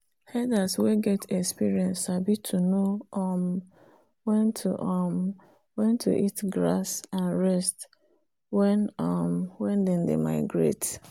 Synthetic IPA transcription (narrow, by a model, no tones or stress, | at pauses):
hɛdasweɡɛtʰɛkspiɹiɛ̃nsabitʰunoʔɔm | wɛ̃ntʰṵʔɔm | wɛ̃ntʰṵʔitɡɾa̰sãnɹɛst | wɛnɔmwɛ̃ndɛ̃ndḛma̰ɪɡɹḛt